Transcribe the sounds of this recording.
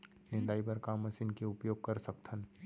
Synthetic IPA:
nɪ̃nd̪aːibɐɾkamɐsinkeʊpjoːɡ̚kɐɾsɐkt̪ʰən

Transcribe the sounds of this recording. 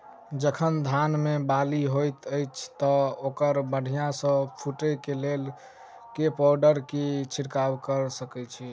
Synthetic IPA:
d͡ʒəkʰənd̪ʱanmebaliɦojt̪əjt͡ʃʰt̪ɔokəɾbəɽ̤ʱijãsə̃pʰuʈəkelel | kepɔɾɖəɾkit͡ʃʰiɾkawkəɾsəkɛt͡ʃʰi

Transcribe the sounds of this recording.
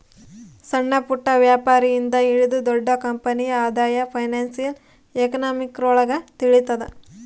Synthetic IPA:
sɐɳːɐpuʈːɐʋjaːpaːɾijind̪ɐiɭid̪ud̪ɔɖːɐkɐmpɐnijɐaːd̪aːjɐpʰɐjnaːnsijɐl | ekɐnaːmikɾɔːɭɐɡɐt̪iɭit̪ːɐd̪e

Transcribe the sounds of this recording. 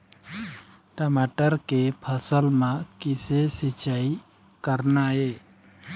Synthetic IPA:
ʈəmaʈəɾkepʰəsəlmãkisesit͡ʃai | kəɾnae

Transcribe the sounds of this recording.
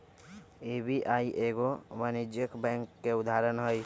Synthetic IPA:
eːbiʔaːiʔeɡoʋanid͡ʒjəkbɛ̃ːŋkːeʊd̪ʱaːɾənɦoi

